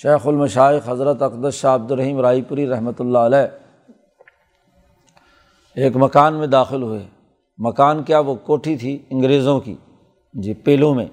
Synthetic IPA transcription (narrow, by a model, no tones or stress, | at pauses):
ʃeːxʊlmɐʃaːɪxɦɐzɾət̪ɐkd̪əsʃaːɐb̚d̪ʊɾːɐɦiːmɾaːipʊɾiɾɐɦmət̪ʊlːaəlɛː | eːkmɐkaːnmẽd̪aːxɪlɦʊeː | mɐkaːnkjaʋokoːʈʰit̪ʰiɪ̃ŋɡɾeːzõkḭ | d͡ʒiːpeːlõmḛ̃ː